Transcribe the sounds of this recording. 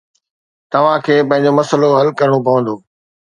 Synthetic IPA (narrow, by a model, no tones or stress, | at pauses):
t̪ɐʋ̤ãkʰeːpɐ̃ɦɪ̃ɲ̆d͡ʑomɐsəloɦɐlkɐɾəɽ̃op̬ɐʋə̃nd̪oː